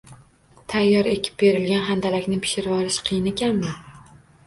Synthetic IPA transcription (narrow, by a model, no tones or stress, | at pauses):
t̪ʰajːɒɾe̞kʲʰɪ̥p̚be̞ɾɪlɡʲanɦand̪alakʲnɪpʰɪ̥ʃɪɾvɒɾɪʃqʰɨjɪnekʲanmɪ